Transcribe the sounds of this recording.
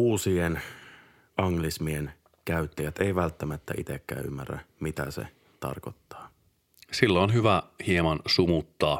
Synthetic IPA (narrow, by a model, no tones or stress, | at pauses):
uːsien | ʔɑŋlismien | kæyt̪ːæjæt̪eijʋælt̪ːæmæt̪ːæʔit̪ekːæ̰ːymːærːæ̰mit̪æ̰sḛ | t̪ɑ̰rkot̪ːɑ̥ː | silːoonɦyʋæhiemɑnsumut̪ːɑː